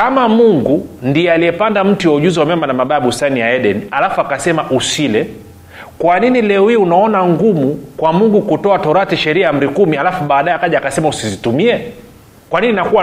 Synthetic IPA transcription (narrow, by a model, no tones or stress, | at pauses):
kamamuŋɡundiɛaliɛpandam̩tuwauʄuziwamjamanamaɓaːɓustanijaɛɗɛnialafuakasɛmaʔusilɛ | kwaninilɛwiːunaɔnaŋɡumukwamuŋɡukutɔatɔɾatiʃɛɾiaam̩ɾikumialafuɓaːɗajɛakaʄaakasɛmausizitumiɛ | kwanininakuwa